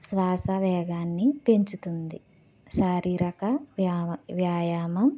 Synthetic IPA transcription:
sʋaːsɐʋɛːɡaːnːipeɲt͡ʃut̪und̪i | ʃaːɾiːɾɐkɐ | ʋjaːjaːmɐm

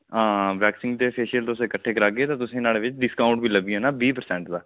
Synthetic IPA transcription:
ãːʋɛːksɪ̃ŋɡd̪eːpʰeːʃiəlt̪oʊsːɪkəʈʰːeːkəɾaːɡɡeːt̪ãːt̪ʊsĩːnaːleːʋɪt͡ʃɖɪskaːʊɳʈ̚biːləbieːnaːbiːpəɾsɛ̃ːɳʈd̪aː

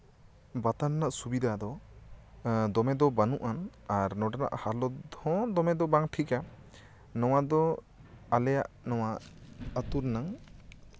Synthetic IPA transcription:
bat̪ananaʔsubid̪ʱad̪ɔ | d̪ɔmɛd̪ɔbanuʔanaɾnɔɖana̰ʔhalɔd̪ʱɔ̃d̪ɔmɛd̪ɔbaŋʈʰika | nɔwad̪ɔ | alɛjaʔnɔwaət̪uɾnaŋ

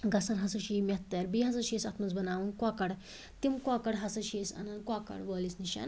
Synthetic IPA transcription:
ɡɐsɐnɦɐsɐʃiːmʲɐt̪ːɐɾbiɦɐs̬ɐʃisɐt̪ʰmɐt͡sbɐnaːʋɐnkakɐɽ | t̪imkwakɐɽɦɐsɐʃisɐ̰nɐnd̪̚kwakɐ̰ɽʋəːlisniʃa̰ːn

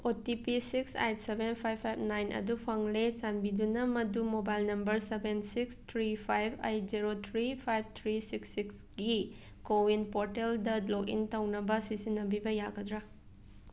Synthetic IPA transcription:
otipisiksa̰jt̚sebenpʰajbʰajb̚najnʔɐ̰dupʰaŋlet͡ʃanbidunɐmɐdumobajlnɐmbɐɾsebensikstʰɾipʰajbɐ̰jd͡ʒiɾot̪ʰɾipʰajb̚t̪ʰɾisiksːiksɡi | kowinpoɾteldɐdlokḭntawnɐbɐsisinːɐbibɐjaɡɐdɾa

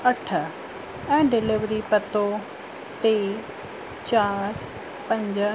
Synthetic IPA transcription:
ɐʈʰə | ɛ̃ːɖɪlɪʋɾipɐt̪o | t̪eː | t͡ɕaːɾ | pɐ̃ɲd͡ʑ

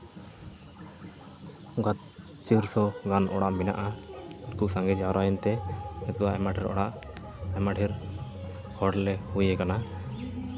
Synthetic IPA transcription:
ɔɡat̪̚ | t͡ʃiɾsɔɡanɔɽaʔmina̰ʔaɛɾkuʔsaŋɡɛd͡ʒaɾajɛnt̪ɛɛt̪ɔwaʔɛmaʈɛɾɔ̰ɽaʔ | ɛmaʈʰiɾ | hɔɽlɛhujɛkana

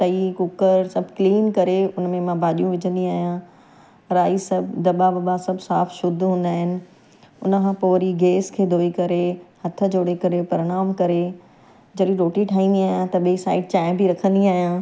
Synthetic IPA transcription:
t̪ɐikʊkəɾsɐbʱkliːnkɐɾeʊnmẽmãbaːɗijũʋɪd͡ʑʱə̃nd̪iaːɦijã | ɾaːisɐbd̪ɐɓabɐɓasɐbsaːfʃʊd̪ʱɦũːn̆d̪aːɦɪnɪ̆ | ʊnəkʰãːpoːɾiɡeːskʰeːd̪ʱoːikɐɾehɐt̪ʰə̆d͡ʑoːɽekɐɾepɐɾɪɽ̃aːmkɐɾe | d͡ʑɐɗĩɾoːʈiʈʰaːĩnd̪iaːɦjãt̪ɐɓɐisaːɪʈ̚t͡ɕaːɪ̃bʱiɾɐkʰə̃nd̪iaːɦijãː

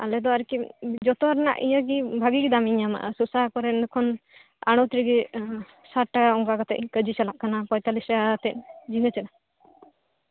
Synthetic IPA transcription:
a̰lɛd̪ɔaɾkid͡ʒɔt̪ɔɾna̰ʔḭjaɡibʱaɡiɡid̪amiɲama̰ʔsusakɔɾɛnukʰɔn | a̰ɽ̃ɔt̪ɾiɡi | saʈːakaɔŋɡakɔt̪ɛ̰ʔkəd͡ʒit͡ʃalaʔkanapɔjt̪alisat̪ɛʔd͡ʒiŋət͡ʃɛna

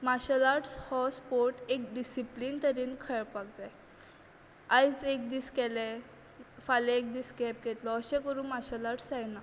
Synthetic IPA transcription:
maɕəlaɾʈshɔspoɾʈek̚ɖisipliːnt̪əɾiːnkʰəɭpakd͡zaj | ajd͡zek̚d̪iːskɛlɛ | falẽek̚d̪iːskɛp̚ɡet̪lɔəɕɛ̃kəɾũːnmaɕəlaɾʈsajna

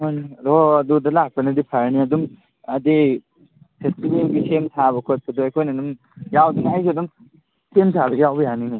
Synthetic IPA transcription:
oniɾɔɐdudɐlak̚pɐnɐdipʰaɾniɐdum | ɐdi | pʰestibelɡisemtʰabɐkʰot̚pʰɐduajkʰojnɐdum | jawdinajzodum | sʰemtʰabɐɡjawbɐjanini

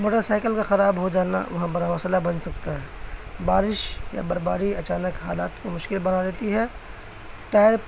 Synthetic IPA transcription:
moːʈəɾsaːɪkəlkaxɐɾaːbɦod͡ʒaːna̰ʋɐɦbɐɾamɐslabɐ̃nsɐk̚t̪aɦɛːbaːɾɪʃja̰bɐɾbaːɾiɐt͡ʃaːnəkɦaːlaːt̪komʊʃkɪlbɐnad̪eːt̪iɦɛː | ʈaːɪɾ

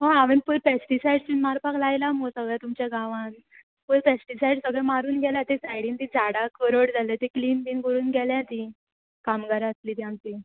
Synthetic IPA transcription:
ɦoaʋinpuɾpɛsʈisajɖt͡ɕunmaɾpaklajlamosəɡɭjat̪umt͡ɕjaɡaʋãn | pəɾpɛsʈisajɖsəɡɭɛ̃maɾuːnɡʱɛljat̪esajɽĩnt̪id͡zaɽakəɾoɽd͡zʱalet̪ekliːnpiːnkɡəɾuːnɡʱɛljat̪i | kamɡaɾaəsliːt̪jãmt̪i

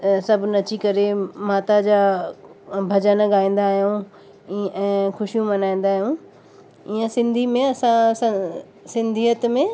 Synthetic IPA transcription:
sɐbʱnɐt͡ɕikɐɾemaːt̪ad͡ʑaː | bʱɐd͡ʑənɡaːĩːn̆d̪aːɦijũ | ɛ̃ːxʊʃijũmɐnaːĩːn̆d̪aːɦijũ | iːə̃sɪ̃nd̪ʱimẽɐsãs | sɪ̃nd̪ʱiːət̪mẽ

